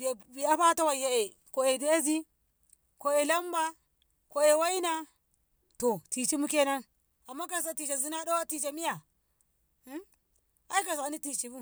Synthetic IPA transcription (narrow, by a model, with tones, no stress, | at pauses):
bi˨a˦ɸa˦ta˦wa˨ja˨e˨ | ko˨e˨de˦a˦zi˦ | ko˨e˨la˦m˦ba˦ | ko˨e˨wa˦i˦na˦ | to˨ti˨t͡ʃi˦mu˦ke˦na˦n | a˨mːa˦ka˨s̬a˨ti˨t͡ʃa˨zi˦na˦do˦wa˦ti˨t͡ʃa˨mi˦ja˨˦ | a˦i˦ka˨s̬a˨ni˦ti˨t͡ʃi˨bu˦